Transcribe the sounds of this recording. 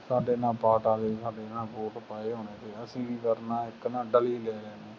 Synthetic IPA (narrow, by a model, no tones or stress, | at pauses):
saːɖeːnãːpaːʈaːleːsaːɖeːnaːpoːʈpaːeːɦoːneːt̪eːəsĩːik̪əɾnãːɪknãːɖəliːlɛːlɛːneː